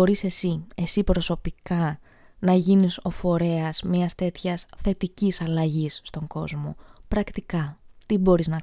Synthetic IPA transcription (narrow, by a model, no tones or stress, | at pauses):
o̞ɾise̞sie̞sipɾo̞so̞pikɐ | nɐʝiniso̞fo̞ɾe̞ɐz̥miɐst̪e̞t̪çɐsθe̞t̪icisɐlɐʝisːt̪o̞ŋɡo̞zmo̞̰pɾɐkt̪ikɐt̪ibo̞ɾiznɐ